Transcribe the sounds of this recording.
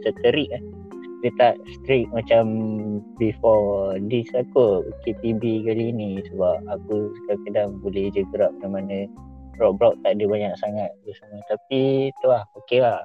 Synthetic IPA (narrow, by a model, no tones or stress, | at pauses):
sət̪əɾiʔah | dət̪aʔst̪ɾik̚mat͡ʃambifɔdisakokepibikalinisəbap̚akusə̥kalkədaŋbolɛhd͡ʒəɡəɾap̚namanərɔk̚blɔk̚t̪aʔdəbaɲak̚saŋat̪̚ɡəsanət̪apit̪uahokelah